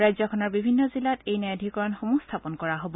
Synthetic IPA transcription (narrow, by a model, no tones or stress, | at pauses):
ɹajzɔkʰɔnɔɹbibʱinːɔzilatejnɛadʱikɔɹɔnxomustʰapɔnkɔɹaɦobɔ